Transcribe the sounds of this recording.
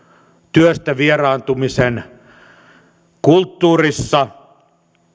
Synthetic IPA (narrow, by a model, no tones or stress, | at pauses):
t̪yøst̪æʋierɑːnt̪umisen | kult̪ːuːrisːɑ